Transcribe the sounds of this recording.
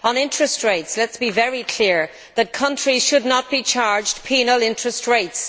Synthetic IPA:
ə̃nɪ̃ntɹ̥əstɹeɪtslɛtsb̥ivɛɹikʰl̥ɪɹ | ðət̚kʰʌ̃nt͡ʃɹ̥iz̥ʃʊdⁿnət̚b̥it͡ʃʰaɹd͡ʒpʰinəlɪ̃ntɹ̥əstɹeɪts

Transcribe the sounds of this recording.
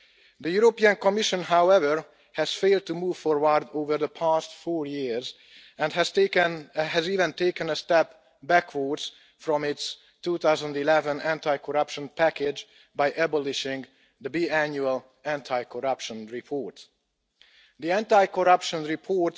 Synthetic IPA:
d̪əjuɾopiə̃nkɔmɪʃə̃nɦawɛvəɹ | hɛz̥feɪlˠd̪̚tumuːv̥fɔɹwəɹd̪oːvəɹðəpʰæstfɔɹjiɹz | ɛ̃ndhɛz̥nɦæziːvə̃nteɪkə̃nəst̪ɛp | bækʰwəɹdz̥ | fɹɔ̃mɪts | tuːt̪aʊzə̃ndilɛvə̃næ̃ntajkʰɔɹʌpʃə̃npækɪd͡ʒ | bajʔɛbɔlɪʃɪ̃ŋɡ | d̪əbiæ̃njuəl | æ̃ntʰaɪkʰɔɹʌpʃə̃nɹipʰɔːɹt | d̪iæ̃ntaɪkɔɹʌpʃə̃nɹipʰɔɹt

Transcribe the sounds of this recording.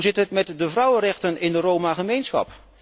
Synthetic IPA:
zɪtɦətmɛtdəvrʌwərɛχtənɪndərowmaχəmejnsχɑ̰p

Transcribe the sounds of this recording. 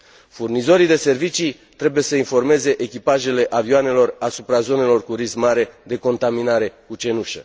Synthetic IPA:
furnizo̞ɾid̪e̞se̞rvit͡ʃi | t̪ɾe̞buje̞səinfo̞rme̞ze̞ʔekʲipaʒe̞le̞ʔavioane̞lo̞rasupɾazo̞ne̞lo̞rkuɾismaɾe̞d̪e̞ko̞nt̪aminaɾe̞kut͡ʃe̞nuʃə̰

